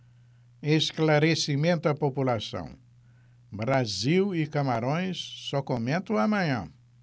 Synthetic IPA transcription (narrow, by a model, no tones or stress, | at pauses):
eʃklaɾesimẽnt̪ʊɐpopulasɐ̰̃w̃ | bɾaziwikamaɾõj̃sːɔkomẽnt̪ɐ̃w̃amɐ̃ɲɐ̰̃